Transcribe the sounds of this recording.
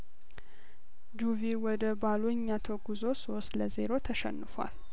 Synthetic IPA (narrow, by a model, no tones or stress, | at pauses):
d͡ʒuviwɔd̪əbaloɲːat̪ʰəɡuzo̞sost̪ləze̞ɾo̞t̪ʰəʃɛ̰nːɨfwa̰l